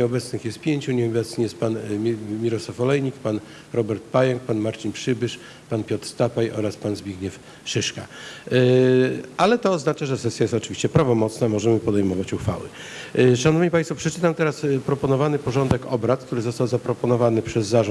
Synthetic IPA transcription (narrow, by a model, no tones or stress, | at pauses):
ɲɛɔbɛt̪snɘxjɛst̪̚pʲjeɲt͡ɕuɲɛɔbɛt̪snijɛst̪panʲmʲiɾɔswafɔlɛjɲikpan | ɾɔbɛɾt̪̚pajɛŋk̚panmaɾt͡ɕinpʂɘbɘʂ | panpʲjɔt̪ɾst̪apajʔɔɾaspanzbʲiɡɲɛf | ʂɘʂka̰ | alɛt̪ɔːznat͡ʂaʐɛsɛsʲjajɛst̪ɔt͡ʂɘvʲi̥ɕt͡ɕɛpɾavɔmɔt̪snamɔʐɛmɘpɔd̪ɛjmɔvat͡ɕuxfa̰wɘ̰ | ʂanɔvɲipajst̪fɔpʂɛt͡ʂɘt̪amt̪ɛɾaspɾɔpɔnɔvanɘpɔʐɔnd̪ɛkɔbɾat̪̚k̚t̪uɾɘzɔst̪awzapɾɔpɔnɔvanɘpʂɛzːaʐɔ̃